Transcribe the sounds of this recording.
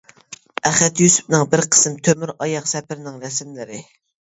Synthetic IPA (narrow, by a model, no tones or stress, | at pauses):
æχɛt̪jysy̥p̚nɨŋbɪɾqʰə̥sɨmt̪ʰømyɾɑjɑqsɛpɪɾnɪŋɾɛsmlɪɾɪ